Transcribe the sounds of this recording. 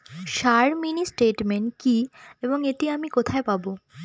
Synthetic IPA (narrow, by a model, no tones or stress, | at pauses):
ʃaɾminisʈeʈmeɳʈkieboŋeʈiamikot̪ʰaepabo